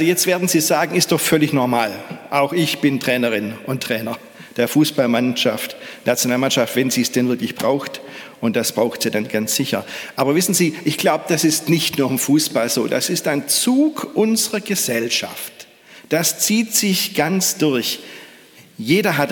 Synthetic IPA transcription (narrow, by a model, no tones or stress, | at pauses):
ʔalzojɛt͡stv̥eːɐdn̩ziːzaːɡŋ̩ɪstd̥ɔχfœlɪçnɔɐmaːlʔaʊxɪçb̥ɪntʁ̥ɛːnəʁɪnʔʊntʁ̥ɛːnɐ | d̥eːɐfuːsb̥almanʃaftnat͡sjonaːlmanʃaftv̥ɛnziːsd̥ɛnvɪɐklɪçb̥ʁaʊxtʔʊnt̚d̥asb̥ʁaʊxtz̥iːdanɡansz̥ɪçɐ̰ʔaːbɐvɪsn̩ziːʔɪçɡ̥laʊbəd̥asɪstnɪçtnuːɐɪmfuːsb̥alzoːda̰sɪstaɪnt͡suːkʔʊnzəʁɐɡəzɛlʃa̰ft | d̥ast͡siːtz̥ɪçɡ̥ant͡sd̥ʊɐç | jeːdɐɦat